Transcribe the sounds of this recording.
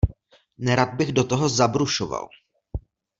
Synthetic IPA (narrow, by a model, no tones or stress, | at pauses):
nɛɾad̪̚bɪɣdo̞t̪oɦo̞zabɾuʃova̰l